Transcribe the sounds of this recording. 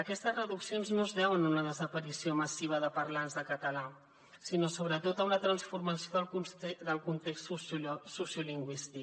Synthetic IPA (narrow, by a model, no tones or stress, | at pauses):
əkɛst̪əzrəðuksionznozðɛwənunəðəzəpəɾisioməsiβ̞əðəpərlanzðəkət̪əla | sinosoβ̞ɾət̪ot̪əmlət̪ɾənsfurməsjoðəlˠkunst̪ɾɛd̪əlˠkunt̪ekst̪susjuliŋɡwist̪ik̚